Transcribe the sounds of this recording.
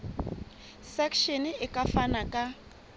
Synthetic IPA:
sɛkʰʃiniɪkʼafanakʼa

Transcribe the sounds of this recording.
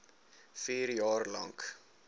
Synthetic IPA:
fiːɾjɑːrlɐ̰ŋk

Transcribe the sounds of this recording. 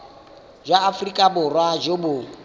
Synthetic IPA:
d͡ʒwaːfrikʼabʊrwad͡ʒobʊ

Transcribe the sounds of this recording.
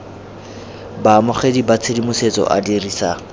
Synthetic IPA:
baːmʊχedibat͡sʰedimʊset͡sɔ̰ʔa̰diriːsa

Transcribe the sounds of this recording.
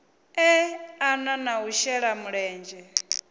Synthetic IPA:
ɛananauʃɛɺamuɺɛːnd͡ʒɛ

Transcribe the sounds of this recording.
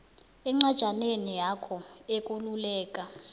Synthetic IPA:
ɛŋ͡ǀad̥ʒ̥ʱanenijakʰɔek̬ʼululɛːkʼa

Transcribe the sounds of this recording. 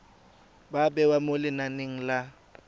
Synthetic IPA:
babɛwamolɪnaneŋ̩la

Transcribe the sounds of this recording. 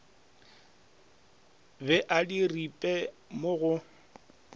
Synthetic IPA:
bɛʔadiripʼɛmʊɣʊ

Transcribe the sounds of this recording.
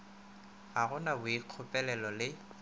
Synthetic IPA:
aɣʊnabʊiq͡χʰʊpʼɛlɛlɔlɪ

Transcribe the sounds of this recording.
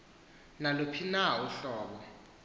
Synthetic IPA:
nalupʰinauɬɔːɓɔ

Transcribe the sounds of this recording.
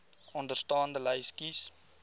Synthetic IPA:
ɔndərstɑːndələjskis

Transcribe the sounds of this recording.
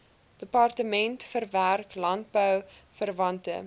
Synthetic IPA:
d̥əpɑrtəmɛntfərværklɐnt̚bəwfərvɐntə̰

